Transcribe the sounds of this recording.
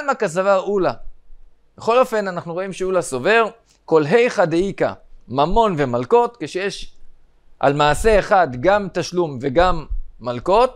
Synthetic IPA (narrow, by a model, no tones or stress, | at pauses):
lmakazavaʁula | beχo̞lo̞fe̞nanaχnuʁo̞imʃeulaso̞ve̞ʁ | ko̞lɦe̞jχad̪eika̰mamo̞nve̞malko̞t̪keʃejeʃ | ʔa̰lmaːse̞ːχad̪ɡamt̪aʃlumve̞ɡamːalko̞t̪